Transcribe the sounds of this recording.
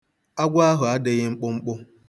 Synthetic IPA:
a˦ɡʷa˦a˦ɦʊ˨a˦de˨ɣɪ˦ŋ͡m̩˦k͡pʊ˦ŋ͡m̩˦k͡pʊ˦

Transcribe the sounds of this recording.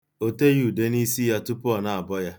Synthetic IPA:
o˦te˦ju˨de˦ni˦si˦ja˦tu˦pʊ˦ɔ˨na˨a˨bɔ˦ja˦

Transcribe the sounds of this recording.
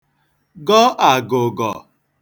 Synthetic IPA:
ɡɔ˦ʔa˨ɡo˨ɡɔ̰˨

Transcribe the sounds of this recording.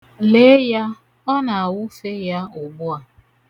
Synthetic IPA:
le˦ja˦ | ɔ˦na˨a˨wʊ˦fe˦ja˦ʊ˨ɡ͡bʊ˦a˨

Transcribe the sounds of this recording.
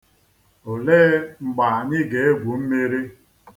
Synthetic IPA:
o˨leː˦ŋ͡m̩˨ɡ͡ba˨a˨ɲɪ˦ɡe˨˦e˦ɡʷu˨m̩˦me˦ɾi˦

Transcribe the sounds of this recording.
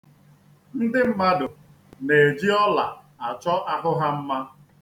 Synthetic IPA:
n̩˦dɪ˦m̩˦ma˦dʊ˨ | ne˨d͡ʒi˦ɔ˦la̰˨ | a˨t͡ʃɔ˦ʔa˦ɦʊ˦ɦa˦m̩˦ma˦

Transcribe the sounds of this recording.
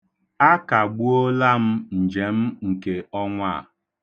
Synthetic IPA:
a˦ka˨ɡ͡bu˦o˦la˦m̩˦n̩˨d͡ʒe˨m̩˦ŋ̩˨ke˨ɔ˦ŋʷa˦˨

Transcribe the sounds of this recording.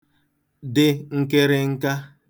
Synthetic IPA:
dɪ˨ŋ̩˦ke˦ɾɪ˦ŋ̩˦ka˦

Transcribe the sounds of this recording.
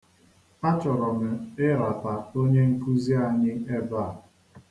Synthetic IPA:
a˦t͡ʃɔ˨ɾɔ˨mɪ˨ɪ˦ɾa˨ta˨o˦ɲe˦ŋ̩˦ku˦zi˦a˨ɲɪ˦e˦ba˦˨

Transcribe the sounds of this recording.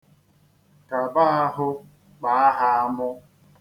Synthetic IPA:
ka˨ba˦ɦʊ˦ | k͡pa˨a˦ɦa˦a˦mʊ˦

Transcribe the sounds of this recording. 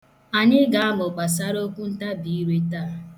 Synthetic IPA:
a˨ɲɪ˦ɡa˨a˦mʊ˨k͡pa˨s̬a˦ɾo˦kʷu˦n̩˦ta˦bi˨i˦ɾe˦taː˦˨

